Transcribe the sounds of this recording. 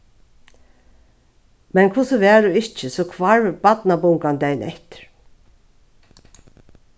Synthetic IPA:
mɛnkʰʊsəʋɛːd̪ʊɪht͡ʃəsɔkʰʋaɹbat̪nabʊŋkand̪ɛjnɛht̪ɪ̥ɹ

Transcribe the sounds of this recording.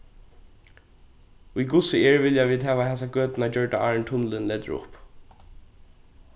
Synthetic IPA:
ʊjɡʊsɪɛɹvɪljaviːd̪ɦɛːʋaɦɛsaɡøːt̪nad͡ʒœɹʈaʔaːɹɳt̪ʰʊnlɪnlɛːt̪ʏɹʊ̰p

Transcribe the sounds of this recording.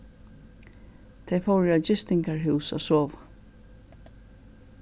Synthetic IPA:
t̪ʰejfowɾɪad͡ʒɪst̪ɪŋkaɹɦʉwsa̰soːʋa

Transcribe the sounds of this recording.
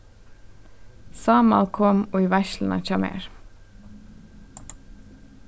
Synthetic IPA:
sɑːmɑ̰lkʰɔmoːiːʋæʃlnʔɑ̰c͡çɑmḛːɹ

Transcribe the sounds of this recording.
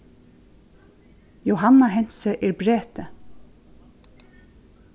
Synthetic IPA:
jowɦanːaɦɛn̥səʔɛɹbɾeːt̪ɪ

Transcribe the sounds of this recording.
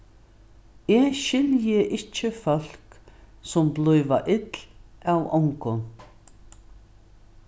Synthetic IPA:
ɛʃɪljəʔɪt͡ʃːəfœl̥k | sʊmblʊjʋaʔɪt̪lawɔŋkʊn

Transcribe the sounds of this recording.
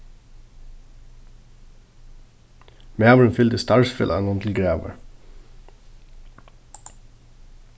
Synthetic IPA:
mæːməɹənfʏlt̪əst̪ɑːɹsfɪ̰lʔɑ̰nʊnt̪ʰɪl̩ɡɹeːʋə̰ɹ

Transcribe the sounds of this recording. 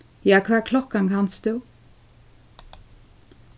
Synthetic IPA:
jɑːkʰʋæːkʰlɔkaŋkʰɑnsd̪ʉː

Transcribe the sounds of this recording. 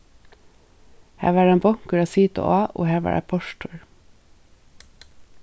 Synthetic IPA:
hæ̰ːʋæːɖɛːmbɔŋkəɾɑːsiːt̪ə̰ʔɑːʔo̰ːhæːʋɑ̰ːɖʔæ̰pʰɔʃʈʰʊɹ

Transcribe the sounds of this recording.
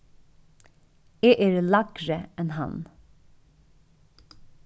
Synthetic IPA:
eːʔeːɹlɑɡɹəɛnhɑ̰n

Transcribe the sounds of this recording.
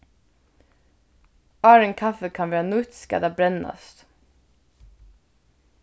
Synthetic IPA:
ʔɑːɹəŋkʰɑfəkʰɑnʋæːɾɑnʊt̪skɑ̰d̪æːbɾɛnɑ̰st̪

